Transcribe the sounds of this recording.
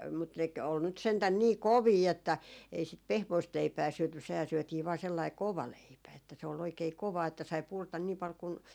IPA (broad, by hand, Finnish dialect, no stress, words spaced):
mut nek ol nyt sentæn niː koʋiː etːæ ei sit pehmoist leipæː syøty sehæː syøtiː ʋɑː selːɑi koʋɑ leipæ etːæ se ol oikei koʋɑː etːæ sɑi purtɑ niː pɑl kun